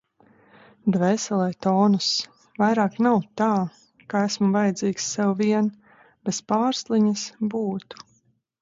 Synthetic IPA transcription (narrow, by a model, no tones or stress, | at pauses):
d̪vɛːsɛlˠɛjt̪ɔːnus | vajɾaːknawt̪aː | kaæsmuvajɛd̪ziːksːɛwviɛn | b̥ɛspaːɾslˠiɲasbuːt̪u̥